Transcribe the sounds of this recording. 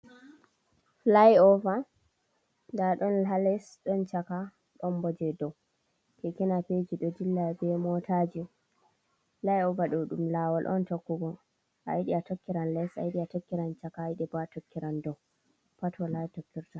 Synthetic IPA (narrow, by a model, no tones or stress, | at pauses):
lajɔva | daɗɔnlalɛsɗɔnt͡ʃaka | ɗɔnbɔd͡ʒɛdɔ | kekinaped͡ʒiɗɔdilːabɛmɔtʰad͡ʒi | lajɔvaɗɔɗumlawalʔɔ̰ntokːuɡɔ | ʔa̰iɗiatɔkːiɾanlɛsa̰jiɗiatɔkːiɾant͡ʃakaiɗɛbatɔkːiɾandɔw | patʰɔlajtɔkːiɾta